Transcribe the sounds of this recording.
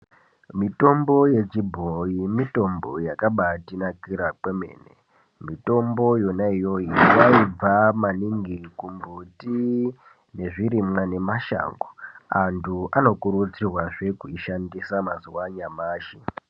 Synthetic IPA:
mito̞mbo̞je̞t͡ʃibʱoimito̞mbo̞̰jakaɓatinakiɾak͡pwe̞me̞̰ːne̞̰ | mito̞mbo̞jo̞naijo̞iwaib͡vamaniŋɡikumbuti | ne̞ʐiɾimŋane̞maʃa̰ːŋɡoantʰuʔano̞kuɾut͡sirwaʐe̞kuiʃandisamazuwaɲamaːʃi

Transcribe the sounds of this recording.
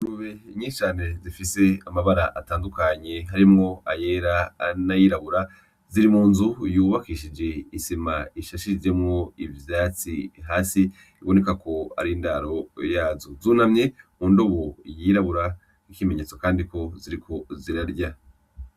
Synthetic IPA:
nuβeɲiːʃt͡ʃaːne̞zifise̞amaβaɾaʔataːndukaɲe̞ɦaɾimŋo̞aje̞ːɾanajiɾaβuɾa | ziɾimuːnzujuːβakiʃid͡ʒe̞isimaiʃaʃid͡ʒe̞mŋo̞ivjaːt͡sḭɦaːsi | iβo̞ne̞kako̞a̰ɾindaɾo̞jaːzozuːnamɲe̞undo̞βojiːɾaβuɾa | ikime̞ɲe̞ːt͡sokaːndiko̞ziɾikʰo̞ziɾaɾɟa

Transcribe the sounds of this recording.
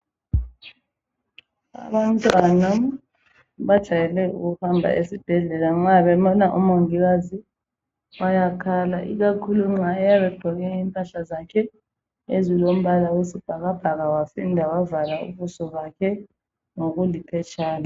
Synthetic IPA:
a̰βantʼwana | βad̥ʒ̥ʱajɛlɛṵɣuhambʱa̰ʔesib̥ʱɛɮɛlaŋ͡ǁaβɛβɔnaʔṵmoŋiɣazi | wajakʰalaʔḭɣakʰuluŋ͡ǁaɛjaβɛb̥ʱɔɣɛiŋkʼaɬazakʰɛ | ezilom̩βalawesib̥ʱaɣab̥ʱaɣawafindʱawavalaṵβusɔβakʰɛ | ŋoɣulipʰɛt͡ʃʰʼaːla

